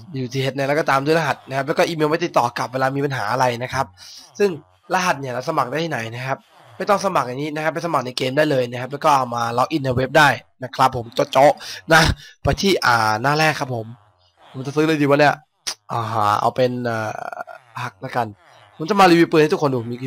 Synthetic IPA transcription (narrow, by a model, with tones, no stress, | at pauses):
uː˨˩t̪ʰiː˧ɦe˧˦t̪̚na˧˩lɛ˦˥kɔ˧t̪aː˧mdu˥˩˨la˧ɦa˨˩t̪̚na˦˥kʰa˦˥lɛː˦˥kɔ˥˩ʔiː˧meː˧ma˥˩jt̪i˨˩t̪ːɔː˨˩ka˨˩p̚weː˧laː˧miː˧pa˧nɦaː˩˦ʔa˧ɾa˧jna˦˥kʰɾa˦˥p̚sɯ˥˩ŋ | la˧ɦa˨˩t̪̚ni˧˩ɐla˧˩sa˧ma˨˩k̚da˥˩jt̪ʰːna˩˦jna˦˥kʰa˦˥p̚ | ma˥˩jt̪ɔ˥˩ŋsa˧ma˨˩k̚ja˨˩ŋiː˦˥na˦˥kʰa˦˥p̚ːa˧˩sa˧ma˨˩k̚na˧jkeː˧mdaː˥˩jlɤː˧jna˦˥kʰa˦˥plɛː˦˥kɔː˥˩ʔa˧˩wmaː˧lɔː˧wʔi˧˩nːa˧we˦˥p̚daː˥˩jna˦˥kʰɾa˦˥pʰːo˩˦mt͡ɕo˧˦˥t̚t͡ɕo˦˥na˦˥˩pa˧jt̪ʰiː˥˩ʔaː˨˩naː˥˩lɛː˥˩kʰːa˦˥pʰːo˩˦m | pʰo˩˦mt͡ɕa˨˩sɯː˦˥lɤː˧jdiː˧wa˧˩ni˥˩ɐ˨ | ʔɔː˨˩ɦaː˧˩ʔa̰˧wpe˧nʔa̰ː˨˩pʰa˦˥˩k̚la˦˥˩ka˧n | pʰo˩˦mt͡ɕa˨˩maː˧liː˧wi˦˥˩pːɯː˨˩nht̪ʰkʰo˧ndu˨˩mi˧